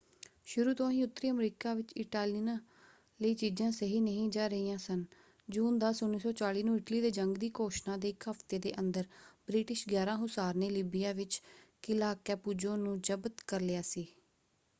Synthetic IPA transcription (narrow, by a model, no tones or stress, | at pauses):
ʃʊɾuːt̪õːĩːʊt̪ːɾiːəmɾiːkaːʋɪt͡ʃɪʈaːlinãː | ləiːt͡ʃiːd͡ʒãːsəɦiːnəɦĩːd͡ʒaːɾəiːãːsən | d͡ʒuːnd̪aːsʊnːiːsɔːt͡ʃaːliːnũːɪʈliːd̪eːd͡ʒəŋɡd̪iːkoːʃnãːd̪eːɪkɦəft̪eːd̪ḛːʔənd̪əɾbɾiːʈɪʃɡjaːɾãːɦʊsaːɾneːliːbɪjaːʋɪt͡ʃkɪlaːkɛːpuːd͡ʒõːnũːd͡ʒəbət̪kəɾlɪjaːsiː